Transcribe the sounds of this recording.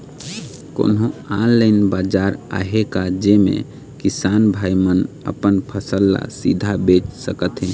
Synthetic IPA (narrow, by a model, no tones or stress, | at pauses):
ko̰nɦõãlləɪnbad͡ʒaɾa̰ɦekad͡ʒemḛ̃ | kisanbʱaimənə̰pənpʰəsəlːa̰sid̪ʱabet͡ʃsəkət̪ɦĩn